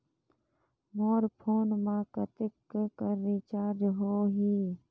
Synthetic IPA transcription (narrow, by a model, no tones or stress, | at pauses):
moːɾpʰoːnmãːkət̪ɪkkəɾːiːt͡ʃaːɾd͡ʒɦoːɦiː